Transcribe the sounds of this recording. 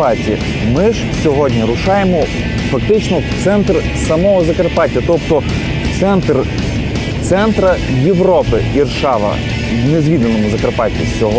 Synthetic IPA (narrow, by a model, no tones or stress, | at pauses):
ɑtʲi | mɪʒ | sʲɔɦɔdʲnʲiɾʊʃɑjemɔ | fɐk̚t̪ɪt͡ʃnɔt̪sɛnt̪r | sɐmɔɦɔzɐkɐrpɑtʲːɐt̪ɔpt̪ɔ | t̪sɛnt̪r | t̪sɛnt̪ɾɐjeʋɾɔpɪirʃɑʋɐ̰ | wnezʲʋʲid̪lˠenɔmʊzɐkɐrpɑtʲːḭsʲɔɦɔ